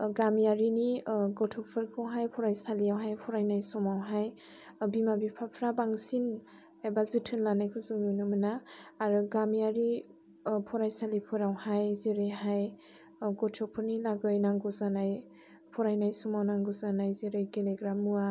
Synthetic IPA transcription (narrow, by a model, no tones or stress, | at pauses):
ɡamijaɾiniɡɔtʰɔpʰɯɾkʰɔwɦajpʰɔɾajsalijawɦajpʰɔɾajnajsɔmawɦaj | bimabipʰapʰɾabaŋsin | abazɯtʰɯnlanajkʰuzuŋunɯmɯnaːɾɯɡamijaɾi | pʰɔɾajsalipʰɯɾawhajzeɾɯjɦaj | ɡɔtʰɔpʰɯɾnilaɡɯjnaŋɡɔzanaj | pʰɔɾajnajsɔmawnaŋɡɔzanajzeɾɯjɡeleɡɾamua